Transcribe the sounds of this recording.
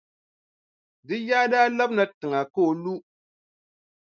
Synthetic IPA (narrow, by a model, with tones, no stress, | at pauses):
dɨ˦jaː˦daː˦la˦bna˨tɨ˨ŋa˨ko˦˨lu˦